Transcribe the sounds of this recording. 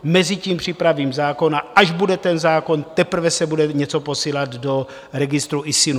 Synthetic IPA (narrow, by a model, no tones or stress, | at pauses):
mɛzɪciːmpr̝̥ɪpɾaviːmzaːko̞naʔaʒbudɛt̪ɛnzaːko̞nt̪ɛpr̩vɛsɛbudɛɲɛt͡so̞po̞siːlad̪do̞ | ɾɛɡɪst̪ɾuʔɪsɪnu